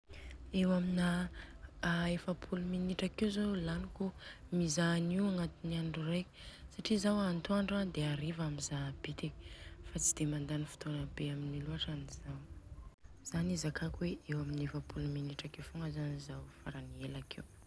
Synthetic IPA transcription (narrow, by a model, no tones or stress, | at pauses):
ewamina | aefapʰuluminiʈ͡ʂakewzolanikumizaniwaŋat̪iniaɳɖ͡ʐurajkʲi̥saʈ͡ʂizawant̪uaɳɖ͡ʐad̪eaɾivaminzab̥it̪iki̥fat͡si̥d̪̥emand̪anifi̥t̪onabeaminiluaʈ͡ʂaniz̥aw | z̥anizakʰakweʔewaminefapʰuluminiʈ͡ʂakefuŋɡəzanizawfaɾanielakʰew